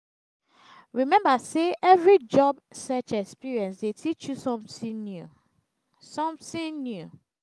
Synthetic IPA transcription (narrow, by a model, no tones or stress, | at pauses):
ɹimɛ̃mbaseʔɛvɹid͡ʒɔbsɔt͡ʃɛkspiɹiɛ̃nsdetʰit͡ʃjusɔ̃mĩnu | sɔ̃mθĩŋnju